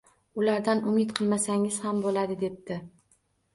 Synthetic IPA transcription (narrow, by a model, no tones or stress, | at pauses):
ʊlaɾd̪anʊmɪt̪qʰɨlˠmasaŋɪz̥hambolad̪ɪd̪e̞p̚t̪ɪ